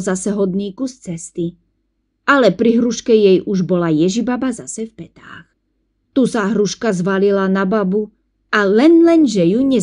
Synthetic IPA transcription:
zasɛɦɔd̪̚niːkust͡sɛst̪i | alɛpɾiɦɾuʃkɛjɛjuʒbɔlajɛʒibabazasɛfpɛt̪a̰ːx | t̪usaɦɾuʃkazʋalilanababu | ʔalɛnlɛnʒɛjuɲɛ

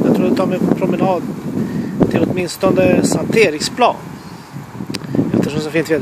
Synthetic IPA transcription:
jɑt̪ʰɾuːd̪ɛt̪ʰɑːɾmɛnpʰɾʊmɛnɑːd̪ | t̪ʰɪlɔt̪mɪnst̪ɔnd̪əsant̪ʰeːɾɪkspʰlɑ̰ːn | ɛft̪əʂɔmsɔfɪnt̪v

